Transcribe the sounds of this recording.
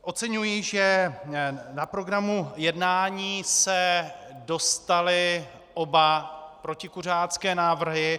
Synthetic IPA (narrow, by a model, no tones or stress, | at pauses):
ʔo̞t̪t͡sɛɲujɪʒɛ | napɾo̞ɡɾamujɛdnaːɲiːsɛdo̞st̪alɪ | ʔo̞bapɾo̞cɪkur̝aːt͡skɛːnaːvr̩ɦɪ